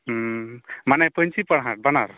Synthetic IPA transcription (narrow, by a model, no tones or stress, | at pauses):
manɛpəɲt͡ʃipəɽɦaʈ̚banaɾ